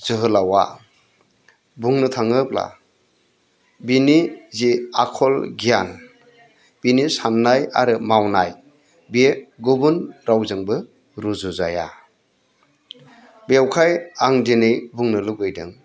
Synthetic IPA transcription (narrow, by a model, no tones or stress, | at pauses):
z̥ɯɦɯlawa̰ | buŋnɯtʰaŋɯp̚la̰ | biniziakʰɔlɡijan | b̥inisanːaja̰ɾɯmawnaj | beɡubunɾawzɯŋbɯ | ɾuzuzaja̰ | bewkʰajaŋdenɯjbuŋnɯluɡɯjdɯ̰ŋ